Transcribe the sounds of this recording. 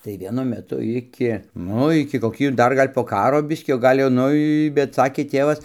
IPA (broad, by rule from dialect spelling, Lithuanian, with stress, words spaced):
tɐɪ ʋʲiɛˈnʊ mʲɛˈtʊ ˈɪkʲɪ ˈnʊ ɪkʲɪ koːˈkʲiː ˈdɐr ˈɡɐlʲ poː ˈkɑːroː ˈbʲɪsʲkʲiː oː ˈɡɐlʲ jɛʊ ˈnʊ ɪ bʲɛt ˈsɑːkʲeː ˈtʲeːʋɐs